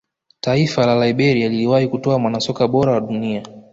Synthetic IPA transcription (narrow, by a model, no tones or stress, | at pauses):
taifalalaiɓɛɾialiliwahikutɔamwanasɔkaɓɔɾawaɗunia